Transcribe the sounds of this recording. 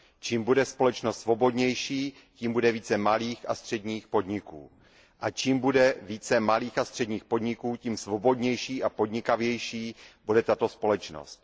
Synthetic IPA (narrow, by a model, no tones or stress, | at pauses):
t͡ʃiːmbudɛspo̞lɛt͡ʃnost̪svo̞bo̞dɲɛjʃiː | ciːmbudɛviːt͡sɛmaliːxast̪r̝̥ɛdɲiːxpo̞dɲɪkṵː | ʔat͡ʃiːmbudɛviːt͡sɛmaliːxast̪r̝̥ɛdɲiːxpo̞dɲɪkuːcimsvo̞bo̞dɲɛjʃiːʔapo̞dɲɪkavjɛjʃiːbudɛt̪at̪o̞spo̞lɛt͡ʃno̰st̪